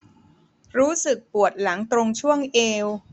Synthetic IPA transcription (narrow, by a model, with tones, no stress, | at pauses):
ɾuː˦˥sɯ˨˩k̚pu˨˩ət̪̚la˩˦ŋt̪ɾo˧ŋt͡ɕʰu˥˩əŋʔeː˧w